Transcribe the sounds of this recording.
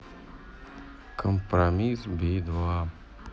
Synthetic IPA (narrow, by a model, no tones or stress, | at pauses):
kʰəmpɾamisbid̪ʋa